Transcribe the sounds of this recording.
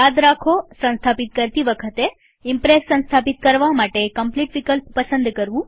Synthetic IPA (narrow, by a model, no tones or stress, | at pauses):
jad̪ɾakʰosə̃nst̪ʰapit̪kəɾt̪iʋəkʰət̪e | impɾesːə̃nst̪ʰapit̪̚kəɾʋamaʈekəmpliʈʋikəlppəsənd̪kəɾʋũ